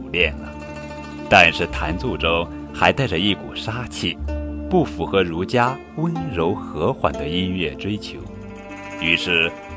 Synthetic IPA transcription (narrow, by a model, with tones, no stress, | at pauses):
ljɛ˥˩nə˩ | t̪a˥˧nʂɻ̩˥˩t̪ʰa˧˥nt͡su˥˩ʈ͡ʂo˥ʊ | xa˧˥ɪt̪a˥˩ɪʈ͡ʂə˩i˥˩ku˨˩ʂa˥t͡ɕʰi˥˩pu˥˩fu˧˥xɤ˧˥ɻu˧˥t͡ɕja˥ | wə˥nɻo˧˥ʊxɤ˧˥xwa̰˨˩nd̪ə˦i˥nɥɛ˥˩ʈ͡ʂwe˥ɪt͡ɕʰjo˧˥ʊ | y˧˥ʂɻ̩˥˩